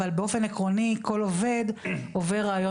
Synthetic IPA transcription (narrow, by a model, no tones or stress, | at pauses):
albeo̞fe̞nekʁo̞niko̞love̞d̪o̞veʁaːjo